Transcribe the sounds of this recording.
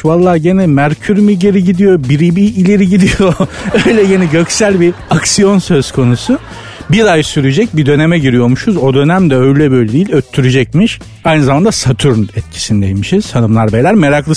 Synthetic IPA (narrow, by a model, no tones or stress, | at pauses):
valˠːaːɟe̞nɛmæɾcʰyɾmiɟe̞ɾiɟid̪ijo̞biɾibiːlʲe̞ɾiɟid̪ijo̞øjlʲɛɟe̞nɛɟø̞csælʲbiaksijo̞nsøz̥kʰo̞nusʊ | biɾajsyɾyd͡ʒɛc̚bid̪ø̞ne̞mɛɟiɾijo̞ɾmuʃuzo̞d̪ø̞næmd̪ɛø̞jlʲɛbø̞jlʲɛd̪iːlʲøt̪ʰːyɾyd͡ʒɛc̚miʃ | ajnɯzamand̪asat̪ʰuɾnɛt̪̚cʰi̥sinid̪ejimiʃiz̥t̪ʰanɯmlˠaɾbejlʲæɾme̞ɾaklˠɯ